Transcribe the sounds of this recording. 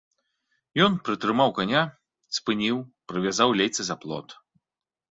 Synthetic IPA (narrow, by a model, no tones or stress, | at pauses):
jɔnpɾɨt̪ɾɨmawkanʲa | spɨnʲiwpɾɨvʲazawlʲejt̪sɨzaplˠɔ̰t̪